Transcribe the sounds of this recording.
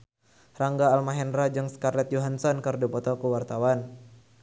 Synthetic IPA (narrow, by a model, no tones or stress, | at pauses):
raŋɡaːlmaɦɛndɾad͡ʒɨŋskarlɛt̪̚joɦansɔnkərdupɔt̪ɔkuwart̪awan